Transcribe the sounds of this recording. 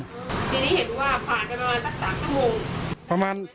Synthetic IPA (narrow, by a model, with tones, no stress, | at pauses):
t̪ʰiː˧niː˦˥˩ɦe˩˦nwaː˥˩pʰaː˨˩npa˧ɾa˧maː˧nsa˦˥k̚saː˩˦mt͡ɕʰu˥˩moː˧ŋpɾa˧maː˧n